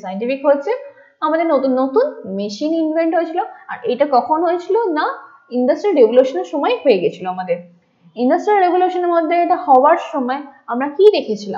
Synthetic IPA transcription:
sajɳʈifikɦotːɕʰe | amad̪eɾnot̪unːot̪unmeʃininvʱeɳʈɦoet͡ɕʰiloa̰ɾejʈakɔkʰonɦojet͡ɕʰilona | inɖasʈɾilɾebʱuluʃoneɾʃɔmɔeɦoeɡet͡ɕʰiloamad̪eɾ | iɳɖasʈɾilɾebuluʃoneɾmod̪ʱːeeʈahɔoaɾʃɔmɔeamɾakid̪ekʰet͡ɕʰila̰mm

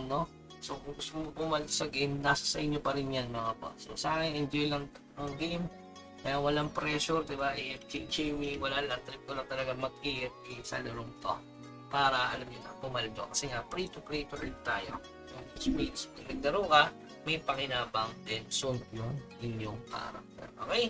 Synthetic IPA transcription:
no̞ | sokʊŋɡʊst̪ʊomobʊmalsɐɡejmnaːsɐ̥sɐʔɪnjopɐɾɪnjanmɐŋaba̰so̰sɐaŋɪnɪnd͡ʒojlɐŋ | nɐŋɡejm | kɐjaŋwɐlaŋpɾɛʃʊɾd̪ɪbaʔɛʔɛt͡ʃid͡ʒɛjwiwɐlalɐŋt̪ɾɪp̚kolɐŋt̪ɐlɐɡaŋmɐɡ̚ʔiːhɪt̪̚ʔɛsɐ̰lʊɾʊmt̪o̰ | paːɾɐʔɐlɐmɲʊnɐ̰bʊmɐld̪o̰kɐsɛŋapɾit̪ʊkɾejt̪ʊɾlɪŋt̪a̰ːjo̰ | jʊŋd̪ɐswisɐɡnɐɡ̚d̪ɐɾokɐ | mɐjpɐŋɪnaːbɐŋt̪ɛnsʊnjʊŋʔɪnjoŋp̪a̰ːɾɐ̰ | ɛ̰ʔo̰ːkɛj

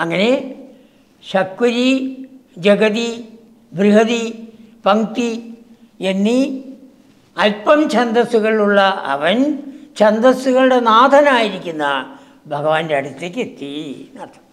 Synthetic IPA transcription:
ɐŋːɐne̞ | ɕɐkːuɾi | d͡ʑɐɡɐði | bʱriɦɐði | pɐŋt̪i | enːi | ɐlpɐmt͡ɕɐnd̪ɐsuɣɐɭiuɭːɐɐ̰ʋɐnt͡ɕɐnd̪ɐsuɣɐɭuɽe̞naːd̪ʱɐnaːjiɾikʲːunːɐ | bʱɐɡɐʋaːndeɐɽut̪ːekːet̪ːinɐt̪ʰːɐ̥

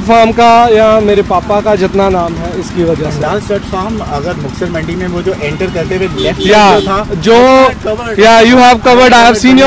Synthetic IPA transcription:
ʈfʰaːɾmkajameːɾepaːpakad͡ʒɪt̪nanaːmɦɛɪskiʋɐd͡ʒəseasəʈfaːɾmɐɡəɾmʊksəɾmɐ̃ɳɖimẽʋod͡ʒoːʔẽːɳʈəɾkɐɾt̪eʋelɛfʈjaːt̪ʰad͡ʒoː | jaːjuːɦɛːʋkɐʋəɾɖaɪɦʋsiːnjə

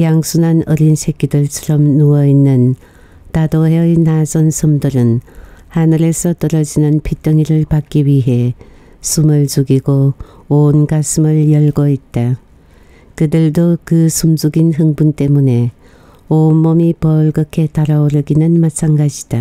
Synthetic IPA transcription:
jaŋsʰunanʌɾinsʰek͈idɯɭt͡ɕʰʌɾʌmnuʌinːɯn | tadoɦeinasʌnsʰɯmdɯɾɯnhanɯɾe̞sʰʌt͈ʌɾʌd͡ʑinɯnpʰit͈ʌŋiɾɯɭpak͈iɥiɦe̞ | sʰumɯɭt͡ɕuɡiɡoonɡasʰɯmɯɭjʌɭɡoit̚t͈a | kɯdɯɭdokɯsʰumd͡ʑuɡinɦɯŋbunt͈e̞mune̞ | onmʌmipʌɭɡɯkʰe̞taɾaoɾɯɡinɯnmat͡ɕʰanɡad͡ʑi̥d̥a

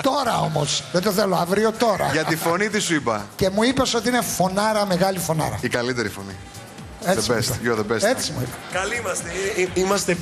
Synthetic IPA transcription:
t̪o̞ɾɐo̞mo̞sðed̪oθeloɐvɾio̞t̪o̞ɾɐ̰ʝɐt̪ifo̞nit̪isuipɐce̞muipeso̞t̪iine̞fo̞nɐɾɐme̞ɣɐlifo̞nɐ̰ɾɐ̰ikɐlit̪eɾifo̞̰nḭ | esiessjoðebeset͡simṵipɐ̥kɐliimɐst̪eiimɐst̪e

